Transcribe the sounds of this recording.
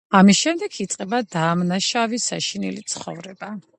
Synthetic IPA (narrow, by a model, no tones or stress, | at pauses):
amisʃɛmd̪ɛkʰit̪sʼqʼɛbad̪aːmnaʃavisaʃinḭlit̪sʰχɔ̰vɾɛba